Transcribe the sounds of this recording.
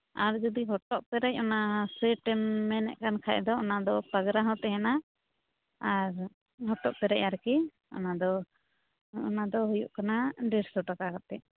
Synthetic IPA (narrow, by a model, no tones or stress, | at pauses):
aɾd͡ʒɔd̪iɦɔʈɔʔpɛɾɛc̚ɔnasɛʈɛmːɛnɛ̰ʔkankʰaɛd̪ɔɔnad̪ɔpaɡɾaɦɔ̃t̪ɛɦɛna | aɾ | ɦɔʈɔʔpɛɾɛ̰caɾki | ɔ̰nad̪ɔ | ɔnad̪ɔɦujṵʔkanaɖɛɾsɔʈakakat̪ɛʔ